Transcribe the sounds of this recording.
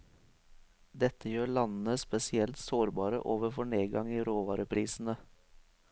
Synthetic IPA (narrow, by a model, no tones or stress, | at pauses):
d̪ɛt̪əjøːɭɑnn̩əspɛsɪɛlt̪soːɾbɑːɾə̰ʔoːʋəɾfɔɳeːɡɑŋiːɾoːʋɑːɾəpʰɾiːsn̩ə